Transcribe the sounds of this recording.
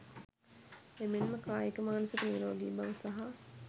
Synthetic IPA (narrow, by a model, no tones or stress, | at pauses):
emenməkaːjikəmaːnusək̪əniːɾoʋaɡiːbaʋəsaɦa